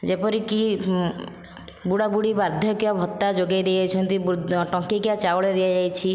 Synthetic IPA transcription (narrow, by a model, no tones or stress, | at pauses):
d͡ʒepɔɾiki | buɽabuɽibaɾd̪ʱjɔkiɔbʱɔt̪ːad͡ʒoɡajd̪eajt͡ʃʰɔnt̪ibʈɔ̃ŋkikat͡ʃawɭed̪iad͡ʒajt͡ʃʰi